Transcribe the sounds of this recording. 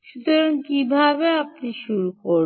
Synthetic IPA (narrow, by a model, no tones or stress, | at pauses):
ʃut̪oɾonkibʱabeapniʃuɾuko